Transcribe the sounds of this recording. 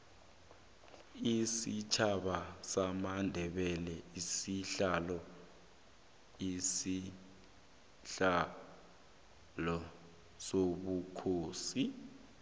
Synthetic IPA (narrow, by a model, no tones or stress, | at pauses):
isit͡ʃʰaɓasamandʱɛɓɛlɛisiɬalɔ | isi | ɬa | lɔ | soɓukʰoːsi